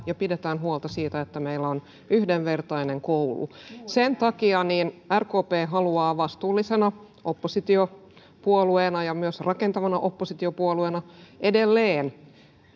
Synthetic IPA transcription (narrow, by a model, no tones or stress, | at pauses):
jɑpidet̪æːnɦuolt̪ɑsiːt̪æet̪ːæmeilːæon | yhdeʋʋert̪ɑineŋkoulṵsent̪ɑkiɑniːnærkoːpeːɦɑluɑːʋɑst̪uːlːisenɑ | ʔopːosit̪io | puolueːnɑjɑmyøsrɑkent̪ɑʋɑnɑʔo̞pːosit̪iopuolueːnɑʔedelːeːn